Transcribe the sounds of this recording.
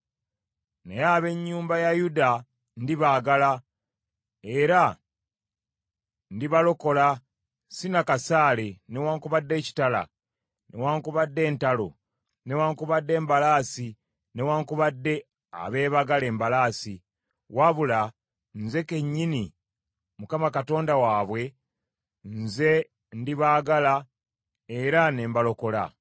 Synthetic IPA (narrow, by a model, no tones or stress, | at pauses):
nḛjaːβe̞ɲːuːmbajajuda | ndiβaːɡala | e̞ɾa | ndiβalo̞ko̞la | sinakasaːle̞newaːŋkuβadːe̞ːci̥tala̰ | ne̞̰waːŋkuβadːe̞ːntalo̰ | ne̞waːŋkuβadːe̞ːmbalaːsi | ne̞waːŋkuβadːe̞ | a̰βe̞ːβaɡale̞ːmbalaːsi | waβula | nze̞ke̞ɲːini | mukamakato̞ːndawaːβwe̞ | nze̞ | ndiβaːɡala | e̞ɾane̞ːmbalo̞ko̞la̰